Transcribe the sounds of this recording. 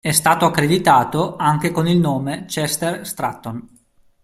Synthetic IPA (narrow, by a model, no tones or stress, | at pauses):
ɛst̪aːt̪oakːɾed̪it̪aːt̪oaŋk̟ekonilnoːmet͡ʃɛst̪erst̪ɾa̰t̪ːon